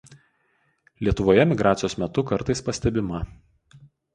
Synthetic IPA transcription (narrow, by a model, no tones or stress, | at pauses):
lʲiɛt̪ʊʋoːjɛmʲɪɡɾaːt̪sʲɪjoːsmʲɛt̪ʊkɐɾt̪ɐɪspɐsʲt̪ʲɛbʲɪmɐ